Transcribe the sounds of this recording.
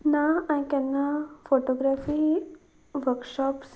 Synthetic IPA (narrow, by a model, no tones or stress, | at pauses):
nããkɛnːafoʈoɡɾafi | ʋəɾkʃɔps